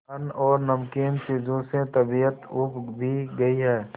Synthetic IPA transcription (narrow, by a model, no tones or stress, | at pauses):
ənɔːɾnəmkeːnsɪd͡ʒoːsẽt̪əbijət̪ʊpbʱiɡəiɦɛː